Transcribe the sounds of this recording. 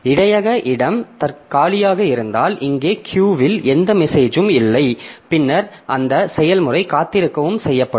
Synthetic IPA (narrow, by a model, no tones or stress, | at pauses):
ɪɽɐjɐɣɐʔɪɽɐmt̪ɐkaːlɪjaːɣɐɪɾɯnd̪aːlʔɪŋɡeːkʰjuːʋɪlɛnd̪ɐmɛseːd͡ʒɯmɪlːɐɪpɪnːɐɾ | ʔɐnd̪ɐsɛjɐlmɯrɐɪkaːt̪ːɪɾɯkːɐʋɯmsɛjːɐpːɐɽɯ